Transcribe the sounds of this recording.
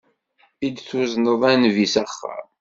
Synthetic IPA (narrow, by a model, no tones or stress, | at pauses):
id̪θuznəðˤænvisæχːə̰ɾ